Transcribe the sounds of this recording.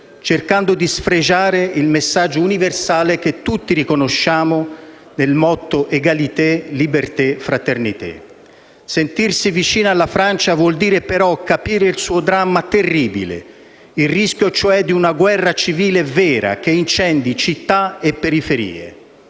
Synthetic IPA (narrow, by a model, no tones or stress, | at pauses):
t͡ʃerkand̪od̪isfɾed͡ʒaːɾeilmesːad͡ʒːouniversaːlek̟et̪ːut̪ːiɾikonoʃːaːmo | nelmɔt̪ːoʔeɡalit̪elibert̪efɾat̪ernit̪ḛ | sent̪irsivit͡ʃiːnaalːafɾant͡ʃavwɔld̪iːɾepeɾɔkːapiːɾeilsuːod̪ɾamːat̪erːiːbḭlḛ | ilrisk̟jot͡ʃoɛd̪ːiunaɡwɛrːat͡ʃiviːlevɛːɾa̰k̟eint͡ʃɛnd̪it͡ʃit̪ːaepːeɾifeɾḭːḛ